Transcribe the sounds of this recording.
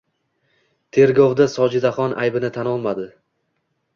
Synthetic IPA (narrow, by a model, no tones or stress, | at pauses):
t̪ʰe̞ɾɡɒwd̪asɒd͡ʒɪd̪aχɒnʔa̰jbɪnɪt̪ʰanɒlˠmad̪ɪ